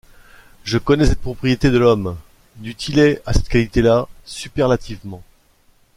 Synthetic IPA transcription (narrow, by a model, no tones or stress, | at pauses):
ʒəkɔnɛsɛt̪̚pχɔpχijet̪ed̪əlɔm | d̪yt̪ʰileasɛt̪kʲalit̪elasypɛʁlat̪ʰivmɑ̃